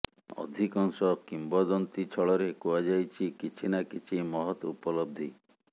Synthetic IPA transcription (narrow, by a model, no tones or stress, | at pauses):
ɔ̰d̪ʱikɔŋsɔkimbɔd̪ɔnt̪it͡ʃʰɔɭɔɾekuad͡ʒajt͡ʃʰikit͡ʃʰinakit͡ʃʰimɔɦɔt̪upɔlɔb̚d̪ʱi